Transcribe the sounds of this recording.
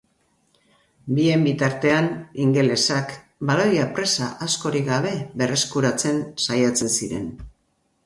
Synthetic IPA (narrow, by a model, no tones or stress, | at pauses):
bie̞mbit̪aɾt̪e̞aniŋɡe̞le̞sak | baɾo̞japɾe̞saʔasko̞ɾiɡaβ̞e̞βe̞re̞skuɾat͡se̞nsajat͡se̞nsiɾe̞̰n